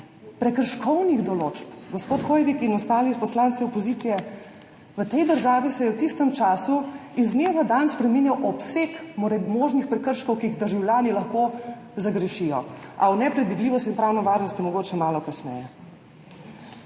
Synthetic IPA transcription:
pɾɛkəɾʃkɔwniɣd̪ɔloːt͡ʃpɡɔspoːt̪xojʋikinɔst̪aːlipɔslansiɔpɔziːt̪sijɛ | ʋət̪ɛjd̪əɾʒaːʋisɛjɛwt̪ist̪əmt͡ʃaːsuizneʋad̪anspɾɛminjawʔɔpsekmɾɛmoːʒnixpɾɛkəɾʃkɔwkiiɣd̪əɾʒawljaːnilɐxko | zaɡɾɛʃijɔʔawnɛpɾɛd̪ʋid̪liːʋɔst̪inpɾawnɔʋaɾnɔst̪jɛmɔɡoːt͡ʃɛmaːlɔkasnɛ̰jɛ

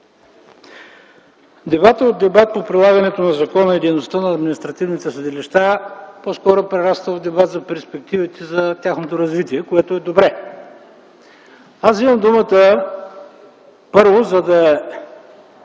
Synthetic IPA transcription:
d̪ɛbat̪əod̪̚d̪ːɛbat̪̚popɾilˠaɡɐnɛt̪onɐzɐkɔnəid̪ɛjnost̪ənɐːd̪minist̪ɾɐt̪ivnit̪ɛsɐd̪ɛliʃt̪aposkɔɾopɾɛɾast̪əvd̪ɛbat̪zɐpɛɾspɛk̚t̪ivit̪ɛzɐt̪ʲjaxnot̪oɾɐzvit̪iɛkoɛt̪oɛd̪obɾɛ | asimɐmd̪umət̪ə | pɤɾvozɐd̪ɐ

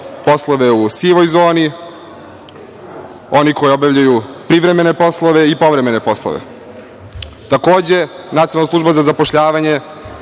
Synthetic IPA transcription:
po̞slˠoʋe̞usiːʋo̞jzo̞ːni | o̞niko̞jeobjavʎajupɾiʋɾe̞me̞nepo̞slˠoʋe̞ipo̞ʋɾe̞mene̞po̞slˠo̰ʋḛ | t̪ako̞ːd͡ʑe̞ | nat̪ionlnasluʒbazazapoʃʎaːʋaɲe̞

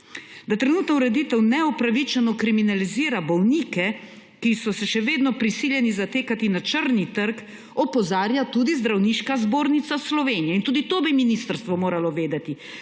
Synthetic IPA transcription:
d̪at̪ɾɛnuːt̪nɔuɾɛd̪iːt̪ɛwnɛɔpɾaʋit͡ʃɛnɔkɾiminaliziːɾabɔwniːkɛ | kisɔsɛʃɛʋeːd̪nɔpɾisiːljɛnizat̪eːkat̪inat͡ʃəɾnit̪əɾk | ɔpɔzaːɾjat̪uːd̪izd̪ɾawniːʃkazboːɾnit̪saslɔʋeːnijɛint̪uːd̪it̪oːbiminist̪əɾst̪ʋɔmoːɾalɔʋeːd̪at̪i

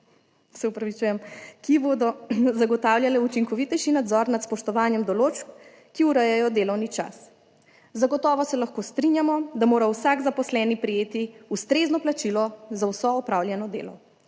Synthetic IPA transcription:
sɛupɾaʋit͡ʃuːjɛmkiboːd̪ɔzaɡɔt̪aːwljalɛut͡ʃiŋkɔʋit̪ɛjʃinad̪zɔɾnat̪spɔʃt̪ɔʋaːnjɛmd̪ɔloːt͡ʃk | kːiuɾəjɛjɔd̪eːlɔwnit͡ʃa̰s | zaɡɔt̪ɔːʋɔsɛlaxkoːst̪ɾinjamɔd̪amoːɾawsaɡzapɔslɛːnipɾijeːt̪iust̪ɾeːznɔplat͡ʃilɔzawsɔɔpɾaːwlʲjɛnɔd̪ḛːlɔ̰

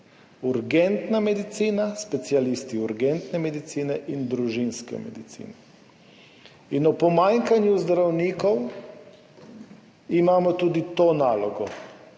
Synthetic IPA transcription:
uɾɡɛnt̪namɛd̪it̪siːnaspɛt̪sialist̪iuɾɡɛnt̪nɛmɛd̪it̪siːnɛʔind̪ɾuʒinskɛ̰mɛ̰d̪it̪sḭːnɛ | inɔpɔmaŋkanjuzd̪ɾawniːkɔw | imaːmɔt̪uːd̪it̪oːnaːlɔɡɔ

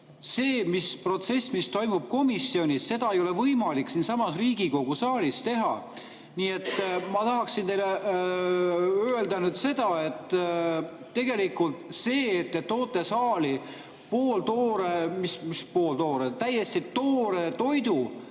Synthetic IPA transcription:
se̞ːmispro̞t̪se̞smist̪o̞jmub̥̚ko̞misːio̞nʲisːe̞d̪ɑejo̞levɤjmɑliksinsɑmɑsriːɡ̥iko̞ɡ̥usɑːlist̪e̞ɦɑ̰ | niːe̞t̪ːmɑt̪ɑɦɑksint̪e̞jle | øeld̪ɑnyːd̪̥se̞d̪̥ɑe̞t̪ː | e̞ɡ̥e̞likult̪se̞ːt̪ːeːo̞ːt̪ːˑe̞sɑːli | po̞ːlt̪o̞ːɾemismispo̞ːlt̪o̞ːɾet̪æje̞st̪it̪o̞ːɾe̞t̪o̞jd̪̥u

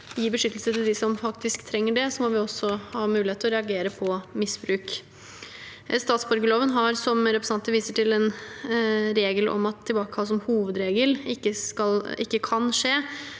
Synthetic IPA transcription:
jiːbəʂʏt̪ːəlsət̪ɪld̪ɪsɔmfɑkt̪ɪskt̪ʰɾɛŋːəɖɛsɔmɔʋɪɔsːɔhɑːmʉːlɪheːt̪əɔɾɛɑɡeːɾəpʰɔmɪsbɾʉːk | st̪ɑːt̪sbɔɾɡəloːʋənɦɑɾsɔmɾɛpɾəsɑnt̪əʋiːsəʈɪlɛn | ɾeːɡəlɔ̰mɑt̪ʰːɪlbɑːkə̥hɑlːəs̬ɔmhuːʋəd̪ɾeːɡəlɪkːəskɑlɪkːəkʰɑnʂeː

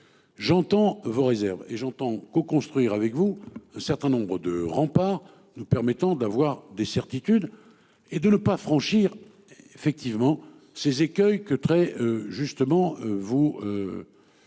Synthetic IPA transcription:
ʒɑ̃t̪ɑ̃voʁezɛʁveʒɑ̃t̪ɑ̃kokɔ̃st̪χɥiʁavɛkvuɛ̃sɛʁt̪ɛ̃nɔ̃bʁəd̪əʁɑ̃paʁ | nupɛʁmɛt̪ɑ̃d̪avwaʁd̪esɛʁt̪it̪yd̪ | ed̪ənəpafχɑ̃ʃiʁ | efɛk̚t̪ivmɑ̃ | sezekʲœjkət̪χɛøʒyst̪əmɑ̃vuø

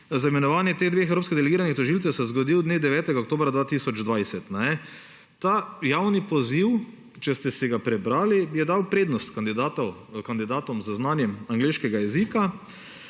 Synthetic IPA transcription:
zaimɛnɔʋaːnjɛt̪eɣd̪ʋeːxɛwɾoːpskid̪ɛlɛɡiːɾanixt̪ɔʒilt̪sɛwsɛzɡɔd̪iwd̪neːd̪ɛʋɛːt̪ɛɡaokt̪oːbɾad̪ʋaːt̪iːsɔd͡ʒd̪ʋajsɛt̪nɛnɛ | t̪aːjawnipɔziw | t͡ʃɛst̪ɛsɛɡapɾɛbɾaːlijɛd̪awpɾeːd̪nɔst̪kand̪id̪at̪ɔkand̪id̪aːt̪ɔmzaznanjɛmaŋɡleːʃkɛɡajɛzika

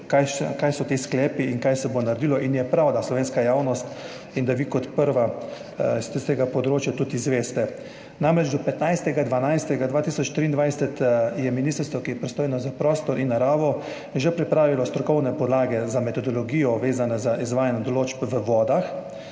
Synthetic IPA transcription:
kajsɛkajsɔt̪isklɛːpiiŋkajsɛbonaɾd̪ilɔʔinjɛpɾawd̪aslɔʋeːnskajaːwnɔst̪ | ind̪aʋikɔt̪pəɾʋa | st̪ɛst̪eːɡapɔd̪ɾoːt͡ʃjat̪ut̪izʋeːst̪ɛ | namɾɛd͡ʒd̪ɔpɛt̪najst̪ɛɡad̪ʋanajst̪ɛɡad̪ʋaːt̪isɔt͡ʃt̪ɾiːnd̪ʋajsɛt̪jɛminist̪əɾst̪ʋɔkijɛpɾɛst̪oːjɛnɔzapɾɔst̪ɔɾʔinːaɾaːʋɔ | ʒɛpɾipɾaːʋilɔst̪ɾɔkɔwnɛpɔd̪laːɡɛzamɛt̪ɔd̪ɔlɔɡiːjɔʋeːzanɛzaʔizʋaːjanɛd̪ɔloːd͡ʒbʋəʋɔːd̪ax

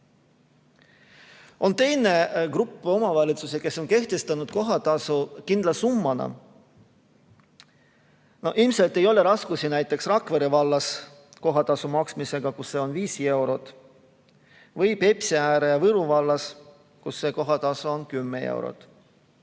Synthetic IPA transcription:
o̞nt̪e̞jne̞ɡrupːˑo̞mɑvɑlʲit̪suse̞ke̞sːo̞nke̞ht̪e̞st̪ɑnud̪̚ko̞ɦɑt̪ɑsukind̪lɑsumːɑnɑ̰ | no̞hʔilmse̞lt̪ːˑe̞jo̞le̞ɾɑskusinæjt̪ːˑe̞ksrɑkveɾevɑlːɑs | ko̞ɦɑt̪ɑsumɑksmise̞ɡ̥ɑkusːe̞o̞nviːse̞wɾo̞t̪ | vɤjpe̞psiæːɾejɑvɤɾuvɑlːɑs | kusːe̞ko̞ɦɑt̪ɑsoonkymːee̞̰w̰ɾo̰t̪ˑ

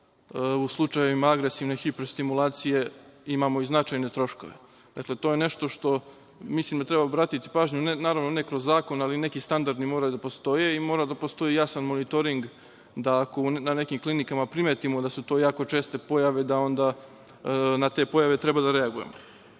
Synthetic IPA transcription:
uslˠut͡ʃajeʋimaaɡɾesiʋne̞xipɾost̪imulˠaːt̪sije̞imamo̞iznat͡ʃajne̞t̪ɾo̞ʃko̞̰ʋe̞̰ | d̪̥akle̞t̪o̞jene̞ʃt̪o̞ʃt̪o̞ | mislimd̪at̪ɾebaobɾaːt̪it̪i̥paːʒɲunenaːɾaʋno̞ne̞kɾo̞zːaːko̞naline̞kist̪and̪aɾd̪nimo̞ɾajud̪apo̞st̪o̞je̞imo̞ːɾad̪apost̪o̞ijasanmo̞nit̪o̞ɾiŋɡ | d̪aako̞unane̞kimklˠinikamapɾimeːt̪imo̞d̪asut̪o̞ːjaːko̞t͡ʃe̞ːst̪e̞po̞jaʋe̞d̪ao̞nd̪a | nat̪e̞ːpo̞jaʋe̞t̪ɾe̞bad̪aɾe̞aɡuje̞̰mo

